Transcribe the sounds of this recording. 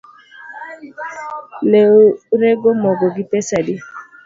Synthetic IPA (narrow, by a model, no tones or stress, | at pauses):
leoɾeɡomɔɡoɡipɛsadi